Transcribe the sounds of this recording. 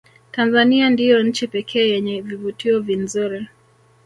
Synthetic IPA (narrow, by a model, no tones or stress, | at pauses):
tanzaniandijɔɲ̩t͡ʃipɛkʰɛːjɛɲɛvivutiɔvinzuɾi